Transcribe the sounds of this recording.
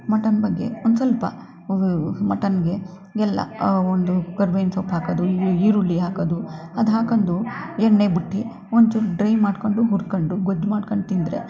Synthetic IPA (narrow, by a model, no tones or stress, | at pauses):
mɐʈɐnbɐɡːe̞̰ond̪usɐlpɐ̰ | mɐʈɐnɡe̞ | ɡɛlːɐ̰ond̪ukɐɾʋejnsopːɦaːkɐd̪uiːɾulːiɦaːkod̪uɐd̪ɦaːkɐnd̪uɛɳːeːbiʈːi | ond̪t͡ʃuɖɾɐjmaːɖkoɳɖuɦuɾkoɳɖuɡod͡ʒːmaːɖkoɳɖt̪ind̪ɾḛ